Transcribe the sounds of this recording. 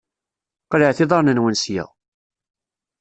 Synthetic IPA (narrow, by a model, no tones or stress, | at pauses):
qləʕθɪðˤɑɾˤnənwənsjæ̰ʁ